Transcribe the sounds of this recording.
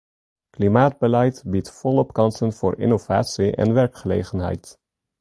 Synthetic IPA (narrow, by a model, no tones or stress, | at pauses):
klimaːd̚bəlɛjtbitfɔlɔpkɑnsənv̥ʊ̰ːɹɪ̰nov̥a̰ːtsiʔɛ̰nʋɛɹkχəlḛjχənɦɛ̰jt